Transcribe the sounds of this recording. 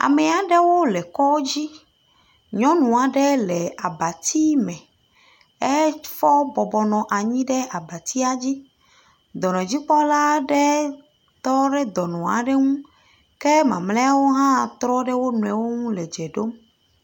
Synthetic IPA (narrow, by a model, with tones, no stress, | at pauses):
a̰˨me˨a˨ɖe˦wo˦lɛ˨kɔ˦d͡ʑi˦ | ɲɔ̃˦nũ˨a˨ɖɛ˦lɛ˨a˨ba˨t̪i˦mɛ̃˨ | ɛ˦fɔ˦bɔ˨bɔ˨nɔ̃˨ʔa˨ɲĩ˦ɖe˦ʔa˨ba˨t̪i˦a˦d͡ʑi˦ | d̪ɔ˨nɔ̃˨d͡ʑi˦k͡pɔ˦la˦ɖe˦ | t̪ɔ˦ɖe˦d̪ɔ˨nɔ̃˨a̰˨ɖe˦ŋũ˦ | ke˦mã˨mle˦a˦wo˦ɦã˦t̪ɾɔ˦ɖe˦wo˦nũ˨ɛ˨wo˦ŋũ˦lɛ˨d͡ʒɛ˨ɖo˦m